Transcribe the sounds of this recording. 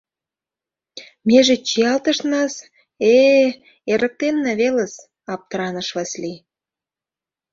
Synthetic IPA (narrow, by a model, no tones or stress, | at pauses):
mʲeʒĕt͡ɕiɑlt̪əʃnɑs | e | eɾə̆k̚t̪enːeβeləs | ɑp̚t̪əɾɑnəʃβɑsli